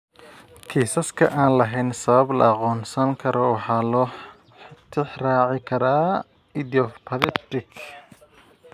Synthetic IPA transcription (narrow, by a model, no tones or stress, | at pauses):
kʰiːsɐskʰɐ̰ʔaːnlɐɦɛjnsɐβɐblɐ̰ɑqɔːnsɐŋkʰɐɾɔwɑħɑːlɔː | t̪ʰɪħraːʕɪkʰɐɾaː | ɪd̪ɔpʰɐlɪt̪ɪk